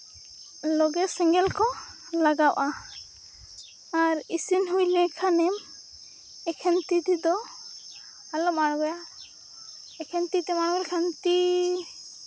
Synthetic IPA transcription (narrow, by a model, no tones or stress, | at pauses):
lɔɡɛsɛŋɡɛlkɔ | laɡawʔa | aɾisinɦujlɛkʰanɛm | ɛkʰɛnt̪it̪id̪ɔ | alɔmaɽɡɔja | ɛkʰɛnt̪it̪ɛmaɽɡɔlkʰant̪i